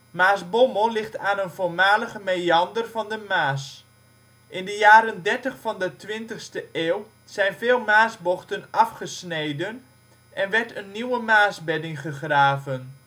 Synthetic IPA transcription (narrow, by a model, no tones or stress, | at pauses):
maːsboməlˠlɪχtaːnənvolmaːləχəmeɑndərvɑndəmaːs | ʔɪndəjaːɾəndɛrtəχfɑndətʋɪntəχstəʔeːwlˠ | z̥ɛjnvɪːlˠmaːsbɔχtənʔɑfχəsnejdən | ʔɛnʋɛrtənːiwəmaːsbɛdɪŋχəχraːvən